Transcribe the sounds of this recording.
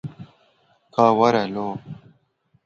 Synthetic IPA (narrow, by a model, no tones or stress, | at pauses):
kaːwɐɾelo